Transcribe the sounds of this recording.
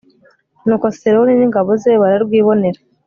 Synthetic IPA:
nukosteɾoniniŋɡaβozeβaɾaɾɡwiːβo̞ne̞ɾa

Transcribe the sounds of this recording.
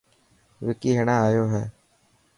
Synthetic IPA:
ʋɪkiɦɛɽ̃aaːjoɦɛː

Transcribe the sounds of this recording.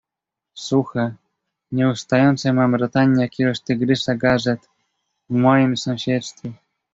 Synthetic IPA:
suxa | ɲɛust̪ajɔnt̪sɛmamɾɔt̪aɲʲːakʲiɾɔɕt̪ɘɡɾɘʂaɡaʐɛt̪ | vmɔjimsɔ̃w̃ɕɛt̪st̪fʲɛ

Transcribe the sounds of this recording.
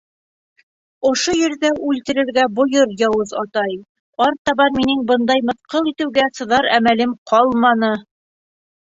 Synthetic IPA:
ŏʃojɘ̆ɾðæʔʉlt̪ɘ̆ɾɘ̆ɾɡæbŏjɤɾjɑwɤzɑt̪ɑj | ɑɾt̪ɑβɑnminɘŋbɤnd̪ɑjmɤ̆t̪qɤlˠit̪ɘ̆wɡæsɤ̆ðɑɾæmælɘmqʰɑlˠmɑnɤ

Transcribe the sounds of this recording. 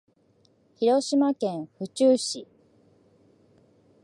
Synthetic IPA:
çiɾo̞ɕimakẽ̞ɰ̃ɸɯ̟t͡ɕɨːɕi

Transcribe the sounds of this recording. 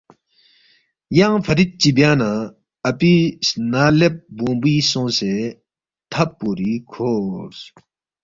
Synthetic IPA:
jaŋpʰət̪it̪̚t͡ɕibjana | apisnalep̚boŋbisɔŋse | t̪ʰapːuɾikʰos

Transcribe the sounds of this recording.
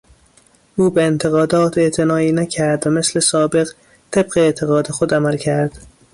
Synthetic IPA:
ʔuːbeent̪ʰeɣɒːd̪ɒːt̪ʰe̞ʔt̪ʰe̞nɒːiːnæcʰæɾd̪væmesle̞sɒːbe̞ɣ | t̪ʰe̞bɢeːʔt̪ʰeɣɒːd̪exod̪æmælcʰæɾd̪̥

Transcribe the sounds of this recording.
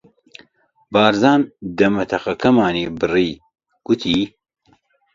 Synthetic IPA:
baːɾzaːnd̪ɐmɐt̪ʰɐχɐkʰɐmaːneːbɨriː | ɡ̥ut̪ʰiː

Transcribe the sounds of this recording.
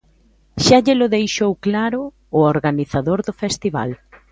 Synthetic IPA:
ʃaʎɪlʊðejʃowklaɾʊː | oɾɣaniθaðoɾðʊfɛst̪iβa̰l

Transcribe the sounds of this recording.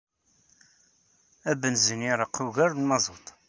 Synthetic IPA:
æbənzəniɾˤəqːuɣæɾunmɑzˤot̪ˤ

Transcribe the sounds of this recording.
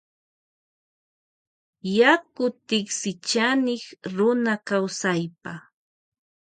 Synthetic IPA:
jakʊt̪ɪksɪt͡ʃanɪχɾʊnakawsajpa

